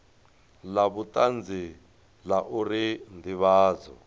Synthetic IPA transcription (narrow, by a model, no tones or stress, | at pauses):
laβutʼand͡zi | laʔuɾind̪iβaːd͡zɔ̰